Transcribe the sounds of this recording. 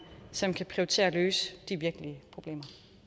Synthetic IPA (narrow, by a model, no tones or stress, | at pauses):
sɒ̽mkʰæpʰʁiot͡sʰe̝̰ːɐløːsə̥d̥iʋiɐɡ̥əliəpʰʁo̝b̥lḛːmɐ